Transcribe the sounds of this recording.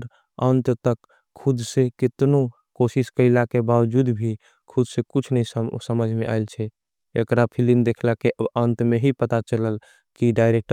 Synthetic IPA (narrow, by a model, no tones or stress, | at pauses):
ɾ | ənt̪t̪əkʰː | ud̪sekit̪no | kosiskəɪlakebawd͡ʒud̪bʱi | kʰud̪sekut͡ʃʰnəissəməd͡ʒʱmẽʔa̰ilt͡ʃʰɛ | ekɾapʰilimd̪ekʰlakeʔəbənt̪meɦipət̪at͡ʃələl | kiɖaɪɾek̚ʈ